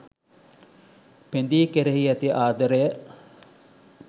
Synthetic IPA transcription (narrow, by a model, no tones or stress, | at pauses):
pend̪iːkeɾeɦiɐt̪iʔaːd̪əɾejə